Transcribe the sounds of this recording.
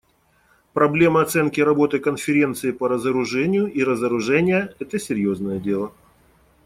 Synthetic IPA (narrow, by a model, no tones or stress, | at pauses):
pɾɐblʲe̞məɐt̪sɛnkʲɪɾɐbo̞t̪ɨkənfʲɪɾʲe̞nt̪sɨɪpəɾəzəɾʊʐɛnʲɪjʊʔiɾəzəɾʊʐɛnʲɪjəɛt̪əsʲɪɾʲjoznəjədʲe̞lˠə